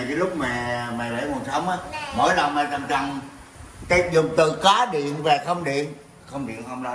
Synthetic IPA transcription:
kəː˨˦lʊ˦˥k͡p̚mɛː˨˩mɛ˨˩lḛ˧˥ku˨˩nsə˨˦wŋ͡mʔaː˨˦mɔ̰ː˧˨˦jlə˨˩wŋ͡mmɛː˨˩za˨˩ŋt͡ɕa˨˩ŋ | k̪i˧˦zʊ˨˩ŋ͡mt̪ɨ˧˨kaː˨˦ɗḭ˧˨ənveː˨˩xə˧wŋ͡mɗḭ˧˨ən | xə˧wŋ͡mɗḭ˧˨ənhə˧wŋ͡mɗa˨˧˦

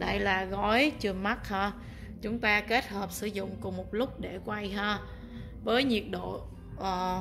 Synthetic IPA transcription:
ɗa̰˧˨jlaː˨˩ɣɔ˨˦jt͡ɕɨ˧˩əma˦˥t̚həː˧ | t͡ɕʊ˨˦ŋ͡mt̪aː˧ke˦˥t̚həː˨˩p̚sɨ˧˩˦zʊ̰˧˨ŋ͡mkʊ˨˩ŋ͡mmo˨˩t̚lʊ˦˥k͡p̚ɗe˧˩kwa˧jɦəː˧ | vəː˨˦jɲi˨˩ət̚ɗo̰˧˨ | ʔəː˨˩

